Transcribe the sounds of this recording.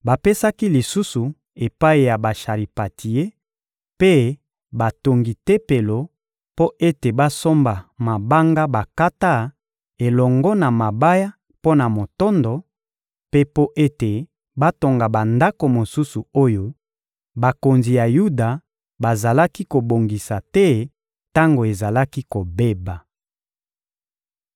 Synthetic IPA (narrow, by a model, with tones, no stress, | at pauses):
ba˨pe˦sa˦ki˦li˨su˦su˨ | e˨pa˦i˨ja˨ba˨ʃa˨ʁi˨pa˨tʰi˨e˦ | pe˦ | ba˨to˨ŋɡi˨te˦pe˨lo˨ | po˦ʔe˦te˨ba˦so˦mba˨ma˨ba˦ŋɡa˦ba˨ka˦ta˦ | e˨lɔ˨ŋɡɔ˦na˨ma˨ba˦ja˦ | po˦na˨mo˨tɔ˦ndɔ˨ | pe˦po˦ʔe˦te˨ | ba˦to˨ŋɡa˨ba˨nda˦ko˨mo˨su˦su˨o˦jo˦ | ba˨ko˨nzi˨ja˨ju˦da˨ | ba˨za˨la˦ki˦ko˨bo˨ŋɡi˨sa˨tɛ˦ | ta˦ŋɡo˨e˨za˨la˦ki˦ko˨be˦ba˨